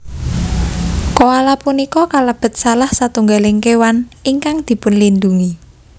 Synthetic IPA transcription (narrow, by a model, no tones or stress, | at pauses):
koalapunikɔkaləb̥ə̤t̪̚salahsat̪uŋɡalɪŋkewaniŋkaŋd̪̥i̤pʊnlind̪uŋi